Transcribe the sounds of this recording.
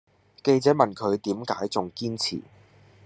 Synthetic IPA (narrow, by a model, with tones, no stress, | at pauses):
ke˧jt͡sɛː˨˥mɐ˨nkʰɵ˨˧ɥt̪iː˨˥mkaː˨˥jt͡sʊ˨ŋkiː˥nt͡sʰḭː˨˩